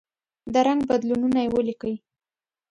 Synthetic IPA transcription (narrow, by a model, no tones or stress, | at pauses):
d̪əɾaŋɡbad̪lununajewəlikəwi